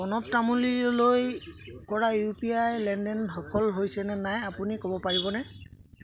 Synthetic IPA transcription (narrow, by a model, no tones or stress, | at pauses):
ɔnɔp̚tamulilojkɔɹajupiajlɛndɛnɦɔkʰɔlɦojsɛnɛnajapunikobɔpaɹibɔnɛ